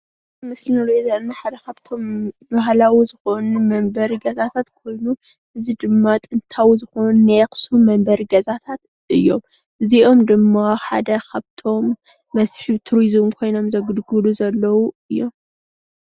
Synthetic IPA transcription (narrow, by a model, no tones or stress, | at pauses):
mɨslinolozanaħad̪ɐkʰaβt̪ʰo̞mbaɦlawizɨxonumɐmbɐɾiɡɐzat̪ʰat̪kʰo̞jnu | ʔɨzid̪ɨmːat̪ʼɨnt̪ʰawizɨxonunexsumɐmbɐɾiɡɐzat̪ʰat̪ | ʔɨjːo̞m | ʔɨziʔo̞md̪ɨmːaħa̰d̪ɐkʰaβt̪ʰo̞mː | ɐsħɨβt̪ʰuɾizmkʰo̞jno̞mzɐɡɨd̪ɡɨluzɐlːɐwuɨjːo̞m